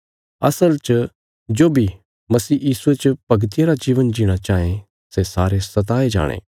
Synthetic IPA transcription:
ɐ̰səlt͡ʃ | d͡ʒoːbʱi | mɐsiːjiːsuet͡ʃpɐɡt̪ɪjaɾad͡ʒiːʋənd͡ʒiɽ̃at͡ʃaːẽ | sesaːɾesɐt̪̬aːed͡ʒa̰ːɽ̃ḛː

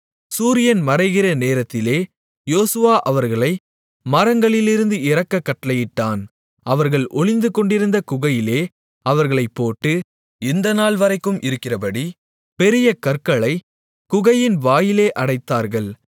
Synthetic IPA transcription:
suːɾɪjɐnmɐɾɐɪɣɪrɐneːɾɐt̪ːɪleː | joːsɯʋaːʔɐʋɐɾɣɐɭɐɪ | mɐɾɐŋɡɐɭɪlɪɾɯnd̪ɯɪɾɐkːɐkːɐʈːlɐjɪʈːaːn | ʔɐʋɐɾɣɐɭʔɔɭɪnd̪ɯkɔɳɖɪɾɯnd̪ɐkʊɣɐjɪleː | ɐʋɐɾɣɐɭɐɪpːoːʈːɯ | ɛnd̪ɐnaːɭʋɐɾɐɪkːɯmʔɪɾɯkːɪrɐpɐɽi | pɛɾɪjɐkɐɾkɐɭɐɪ | kʊɣɐjɪnʋaːjɪleːʔɐɽɐɪt̪ːaːɾɣɐɭ

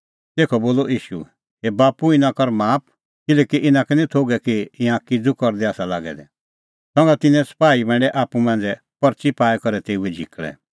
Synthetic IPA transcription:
t̪eːkʰɔboːlɔiːʃṵ | ebaːpuɪ̃nãkɔɾmaːp̚ʰ | kɪlɛkiʔɪnãkɛnit̪ʰoːɡɛkiɪ̃ãkid͡zukɔɾd̪ɛaːsala̰ːɡɛ̰d̪ɛ̰ | sɔ̃ŋɡat̪ɪnɛ̃sɐ̥paːibɛ̃ːɳɖɛʔaːpumãːn̆d͡zɛ | pɔɾt͡ʃipaːɛkɔɾɛt̪eːuɛd͡ʒʱikɭɛ̰

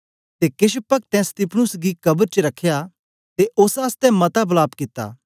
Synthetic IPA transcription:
t̪ekɪʃpɐk̚t̪ɛ̃st̪ɪpʰnʊsɡikɐbəɾt͡ʃəɾɐkʰːja | t̪eʔʊsaːst̪ɛ̃mɐt̪abʊlaːbkɪt̪ːa̰ː

